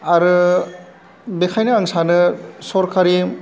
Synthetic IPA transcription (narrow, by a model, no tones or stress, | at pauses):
aɾɯ | bekʰajnɯaŋsanɯsɔɾkaɾi